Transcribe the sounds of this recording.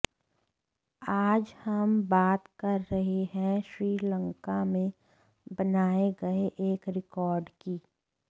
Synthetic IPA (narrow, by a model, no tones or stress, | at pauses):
aːd͡ʒhɐmbaːt̪kɐɾːɐɦeɦɛ̃ʃɾiːlə̃ŋkamẽ | bɐnaːeɡɐeʔeːkɾɪkɔːɾɖkiː